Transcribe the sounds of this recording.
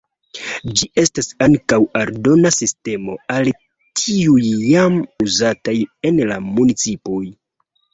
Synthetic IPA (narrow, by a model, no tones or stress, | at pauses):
d͡ʒiʔe̞stasaŋkawaɾdo̞nasiste̞mo̞̰al | tʰiujːamuzataje̞nlamunit͡sipoj